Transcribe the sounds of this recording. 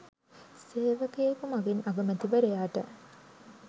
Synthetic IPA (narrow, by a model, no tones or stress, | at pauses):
seːʋəkejekumaɡinʔaɡɐmæt̪iʋəɾejaːʈə